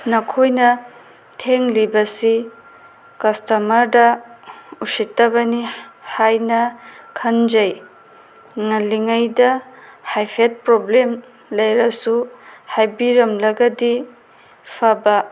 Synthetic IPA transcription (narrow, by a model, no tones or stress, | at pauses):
nɐkʰojnɐ | tʰeŋlibɐsi | kɐstɐmɐɾdɐ | usitːɐbɐnihajnɐkʰɐnd͡ʒɐj | ŋɐliŋɐjdɐhajpʰet̚pɾoblem | lɐjɾɐsuhajbiɾɐmlɐɡɐdi | pʰɐbɐ